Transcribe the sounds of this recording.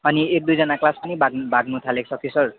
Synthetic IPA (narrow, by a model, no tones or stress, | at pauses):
ʌniek̚d̪ujd͡zʌnaklaspʌnibaɡbʱaɡ̚mut̪ʰalek̚sʰʌkisʌr